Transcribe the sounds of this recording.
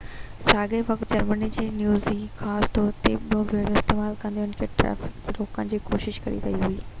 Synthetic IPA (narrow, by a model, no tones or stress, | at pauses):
saːɡeʋɐk̚t̪̚d͡ʑɐɾmənid͡ʑeːnjuːzd͡ʑixaːst̪ɔːɾt̪eɓijõbʱeːɽõɪst̪eːmaːlkɐ̃nd̪ioɪnkʰeʈɾɛ̰ːfɪ̥kloːkənɪ̆d͡ʑiːko̰ːʃɪʃkɐɾḭɾɐɦiɦuiː